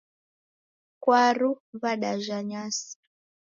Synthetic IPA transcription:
kwaɾuβaɗaʒaɲasi̥

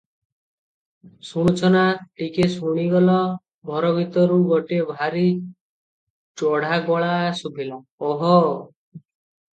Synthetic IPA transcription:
suɽ̃ut͡ʃʰɔnaʈikesuɽ̃iɡɔlɔ | bʱɔɾɔɡʱit̪ɔɾuɡɔʈebʱaɾi | t͡ʃɔɽ̤aɡɔɭasubʱila | ɔɦɔ

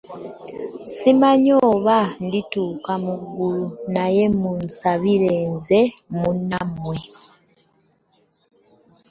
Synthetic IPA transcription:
simaɲoːβandituːkamuɡːulunajemunsaβiɾeːnzemunamwe̞

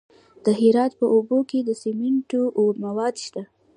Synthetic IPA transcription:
d̪̥əɦɪɾɑt̪pəʔoboked̪əsimɪɳʈomawɑd̪ʃt̪a

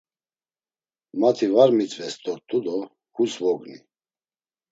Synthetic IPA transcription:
mat̪ʰivaɾmit͡sʼvɛst̪ʼɔɾt̪ʼud̪ɔ | kʰusvɔɡnḭ

